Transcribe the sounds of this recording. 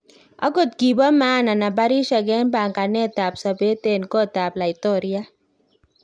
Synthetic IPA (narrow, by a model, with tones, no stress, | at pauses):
a̰˦ɡo˦˨t̪̚ɡi˨bɔ˦ma˦˨na˨na˨ba˦ɾi˦ʃa˨ɡɛ˦nba˨ŋka˨nɛ˦t̪a˨psa˨be˦t̪e˨nkɔ˦t̪a˨bla˨i˨t̪ɔ˦˨ɾi˦a˦